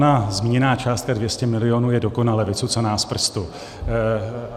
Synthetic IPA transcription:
nazmiːɲɛnaːt͡ʃaːst̪̚kadvjɛscɛmɪlɪjonuːjɛdo̞konalɛvɪt͡sut͡sanaːspr̩st̪u

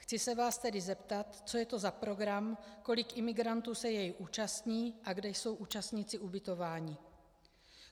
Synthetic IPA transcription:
xt͡sɪsɛvaːst̪ɛdɪzɛpt̪at̪t͡so̞jɛt̪o̞zapɾo̞ɡɾamko̞lɪkʔɪmɪɡɾant̪uːsɛjɛjʔuːt͡ʃast̪ɲiːʔaɡdɛjso̞wʔuːt͡ʃast̪ɲit͡sɪʔubɪt̪o̞vaːɲɪ

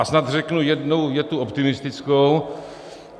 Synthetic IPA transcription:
snat̪r̝ɛknujɛdno̞wjɛt̪uʔopt̪ɪmɪst̪ɪt͡skow

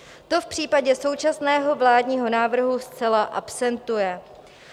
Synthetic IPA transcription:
t̪o̞fpr̝̥iːpaɟɛso̞wt͡ʃasnɛːɦo̞vlaːdɲiːɦo̞naːvr̩ɦust͡sɛlaʔa̰psɛnt̪ujɛ

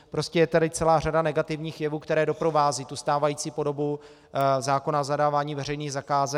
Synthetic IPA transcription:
pɾo̞scɛjɛt̪adɪt͡sɛlaːr̝adanɛɡat̪ɪvɲiːxjɛvuːkt̪ɛɾɛːdo̞pɾo̞vaːziːt̪ust̪aːvajit͡siːpo̞do̞bu | zaːko̞nazadaːvaːɲiːvɛɾ̝ɛjniːɣzakaːzɛ

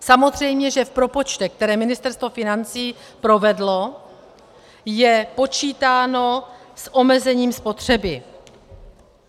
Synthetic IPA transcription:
samo̞zr̝ɛjmɲɛʒɛfpɾo̞po̞t͡ʃt̪ɛk̚t̪ɛɾɛːmɪnɪst̪ɛɾst̪vo̞fɪnant͡siːpɾo̞vɛdlo̞ | jɛpo̞t͡ʃiːt̪aːno̞sʔo̞mɛzɛɲiːmspo̞t̪r̝̥ɛbɪ

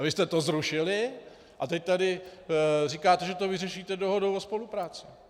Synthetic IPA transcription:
vɪst̪ɛt̪o̞zɾuʃɪlɪ | ʔat̪ɛc̚t̪adɪ | riːkaːt̪ɛʒɛt̪ovɪrɛʃiːt̪ɛdoɦodowospo̞lupɾaːt͡sɪ

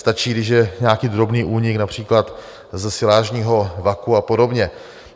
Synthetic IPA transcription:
st̪at͡ʃiːɡdɪʃjɛɲaːkiːd̪ɾo̞bniːʔuːɲɪknapr̝̥iːklat̪ | zɛsɪlaːʒɲiːɦo̞vakuapo̞do̞bɲɛ

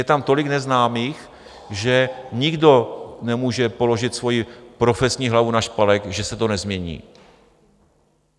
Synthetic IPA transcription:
jɛt̪amt̪o̞lɪknɛznaːmiːx | ʒɛɲɪɡdo̞nɛmuːʒɛpo̞lo̞ʒɪt̪svo̞jipɾo̞fɛsɲiːɦlavunaʃpalɛkʒɛsɛt̪onɛzmɲɛɲḭː

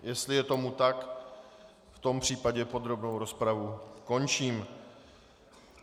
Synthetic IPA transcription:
jɛst̪lɪjɛt̪o̞mut̪ak | ft̪o̞mpr̥iːpaɟɛpo̞d̪ɾo̞bno̞wɾo̞spɾavuko̞nt͡ʃiːm

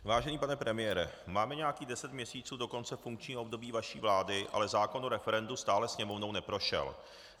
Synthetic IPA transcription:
vaːʒɛniːpanɛpɾɛmɪjɛɾɛ̰maːmɛɲɛakiːdɛsɛt̪mɲɛsiːt͡suːdo̞ko̞nt͡sɛfuŋkt͡ʃɲiːɦoob̚do̞biːvaʃiːvlaːdɪʔa̰lɛzaːko̞noɾɛfɛɾɛndust̪aːlɛsɲɛmo̞vno̞wnɛpɾo̞ʃɛ̰l

